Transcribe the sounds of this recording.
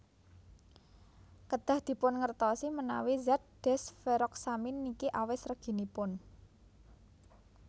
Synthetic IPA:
kəd̪̥ä̤hd̪̥i̤pʊnŋərt̪ɔsiməna̰wizat̪̚d̥ɛsfeɾɔk̚saminːikiʔawɪsrəɡ̥i̤nipʊn

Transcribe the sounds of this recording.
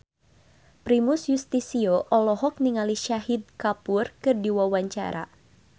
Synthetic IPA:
pɾimusjust̪isiɔʔɔlɔɦɔk̚niŋaliʃaɦid̪̚kapurkɨrdiwawaɲt͡ʃa̰ɾʔa̰

